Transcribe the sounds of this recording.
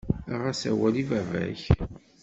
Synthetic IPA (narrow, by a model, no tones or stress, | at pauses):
ʁæsæwælivævæ̰ç